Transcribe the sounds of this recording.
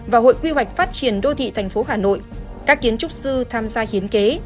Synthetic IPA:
vaː˨˩ɦo̰˧˨jkwi˧ɦwa˨˩k̟̚faː˦˥t̚t͡ɕi˨˩ənɗo˧t̪ʰḭ˧˨t̪ʰɛ˨˩jŋ̟fo˨˦ɦaː˧˩no̰˧˨j | kaː˦˥k̚ːi˨˦ənt͡ɕʊ˦˥k͡p̚sɨ˧t̪ʰaː˧mzaː˧hi˨˦ənke˨˦

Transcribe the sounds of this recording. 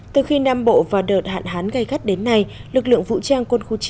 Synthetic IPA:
t̪ɨ˨˩xi˧naː˧mɓo̰˧˨vaː˨˩ɗəː˨˩t̚ha̰ː˧˨nɦaː˨˦nɣa˧jxa˦˥k̚ɗe˨˦nːa˧jlɨ˨˩k̚lɨ̰˧˨əŋvṵ˧˥t͡ɕaː˧ŋkwə˧nxu˧t͡ɕi˨˦

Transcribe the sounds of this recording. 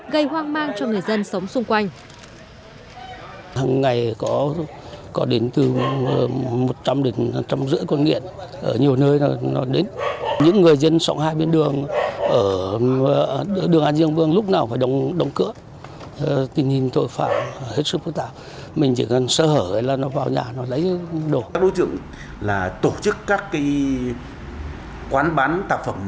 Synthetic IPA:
ɣə˧jhwaː˧ŋmaː˧ŋt͡ɕɔ˧ŋɨ˨˩əjzə˧nsə˨˦wŋ͡msʊ˧ŋ͡mkwa˧jŋ̟ | haː˨˩ŋːa˨˩jkɔ˨˦ | kɔ˨˦ɗe˨˦nt̪ɨ˨˩˧ | mo˨˩t̚t͡ɕa˧mɗe˨˩n˨˩t͡ɕa˧wmzɨ̰˧˥əkɔ˧nŋḭ˧˨ənʔəː˧˩ɲi˨˩əwnəː˧jnɔ˨˦ɗe˨˦nɲɨ̰˧˥ŋːɨ˨˩əjzə˧nsa˧˩wŋ͡mhaː˧jɓe˧nɗɨ˨˩əŋʔəː˧˩˧ | ɗɨ˨˩əŋʔaː˧nzɨ˧əŋvɨ˧əŋlʊ˦˥k͡p̚naː˨˩wfaː˧˩jɗə˨˧wŋ͡mɗə˨˦wŋ͡mkɨ̰˧˥ə˨˧ | t̪i˧ŋɲi˧nt̪o˧jfaː˧˩mhe˦˥t̚sɨ˦˥f̚t̪a̰ː˧˨ | mï˨˩ŋ̟t͡ɕḭ˧˩kɔ˨˩nsəː˧˩həː˧˩ə˨˦laː˨˩nɔ˨˦vaː˨˩wɲaː˨˩nɔ˨˦lə̰˧˥jɗo˧˩˨jɓo˨˦jt͡ɕɨ̰˧˨əŋ | laː˨˩t̪o˧˩t͡ɕɨ˦˥kːaː˦˥kːaː˨˦j | kwaː˨˦nɓaː˨˦nt̪aː˧˩p̚fə˧˩m

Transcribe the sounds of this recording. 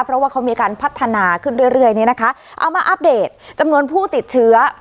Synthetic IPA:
pʰɾɔ˦˥waː˥˩kʰa˦˥wmiː˧kaː˧npʰa˦˥t̪ʰːa˧naː˧kʰɯ˥˩nɾu˥˩əjɾɯ˥˩əjniː˦˥na˦˥kʰa˦˥ | ʔa̰˧wmaː˧ʔa˦˥p̚deː˨˩t̪̚t͡ɕa˧mnu˧ənpʰuː˥˩t̪i˨˩t̪̚t͡ɕʰɯ˦˥ɐ

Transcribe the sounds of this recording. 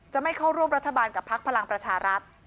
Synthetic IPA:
t͡ɕa˨˩ma˥˩jkʰa˥˩wɾu˥˩mɾa˦˥t̪ʰːa˧baː˧nka˨˩pʰa˦˥k̚pʰa˧la˧ŋpɾa˧t͡ɕʰaː˧ɾa˦˥t̪̚

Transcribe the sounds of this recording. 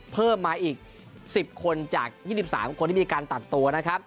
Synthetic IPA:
pʰɤː˥˩mːaː˧ʔiː˨˩k̚ | si˨˩p̚kʰo˧nt͡ɕaː˨˩k̚jiː˥˩si˨˩p̚saː˩˦mkʰo˧nt̪ʰiː˥˩miː˧kaː˧nt̪a˨˩t̪ːu˧ɐna˦˥kʰɾa˦˥p̚

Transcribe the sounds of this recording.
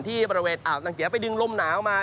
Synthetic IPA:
nt̪ʰiː˥˩bɔː˧ɾi˧weː˧nʔaː˨˩w̚na˧ŋki˨˦p̬a˧jdɯ˧ŋlo˧˥mnaː˩˦wmaː˧

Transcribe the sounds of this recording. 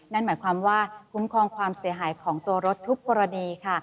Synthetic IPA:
na˥˩nmaː˩˦jkʰwaː˧mwaː˥˩kʰu˦˥mkʰɔː˧ŋkʰwaː˧msi˨˩˦ɐɦaː˩˦jkʰɔː˩˦ŋt̪u˧ɐɾo˦˥t̪ʰːu˦˥k̚pɔː˧ɾa˧niː˧kʰa˥˩

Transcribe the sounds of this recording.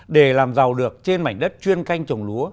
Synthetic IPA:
ɗe˧˩laː˨˩mza˨˩wɗɨ˨˩ək̚t͡ɕe˧nma̰˧˩jŋ̟ɗə˦˥t̚t͡ɕwi˧ənka˧jŋ̟t͡ɕə˨˩wŋ͡mlu˨˦ə

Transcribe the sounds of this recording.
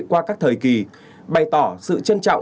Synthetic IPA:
kwaː˧kaː˦˥k̚t̪ʰəː˨˩jki˨˩ | ɓa˨˩jt̪ɔ˧˩sɨ̰˧˨t͡ɕə˧nt͡ɕa̰˧˨wŋ͡m

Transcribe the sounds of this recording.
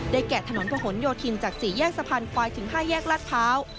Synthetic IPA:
daː˥˩jkɛː˨˩t̪ʰa˧no˩˦npʰɔː˧ɦo˩˦njoː˧t̪ʰi˧nt͡ɕaː˨˩k̚siː˨˩jɛː˥˩k̚sa˧pʰa˧nkʰwaː˧jt̪ʰɯ˩˦ŋɦaː˥˩jɛː˥˩k̚la˦˥˩t̪̚pʰaː˦˥w

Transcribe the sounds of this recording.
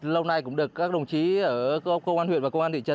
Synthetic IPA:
lə˧wna˧˩jkʊ̰˧˥ŋ͡mɗɨ˨˩əkːaː˦˥k̚ɗə˨˩wŋ͡mt͡ɕi˨˦ʔəː˧˩˧kə˧ŋ͡mʔaː˧nhwḭ˧˨nvaː˨˩kə˧wŋ͡mʔaː˧nt̪ḭ˧˨ə˧˩

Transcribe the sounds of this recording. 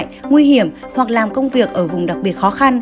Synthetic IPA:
jŋwi˧ɦi˧˩əmhwa˨˩k̚laː˨˩mkə˧wŋ͡mvi˨˩ək̚ʔəː˧˩vʊ˨˩ŋ͡mɗa˨˩k̚ɓi˨˩ət̚xɔ˨˦xa˧n

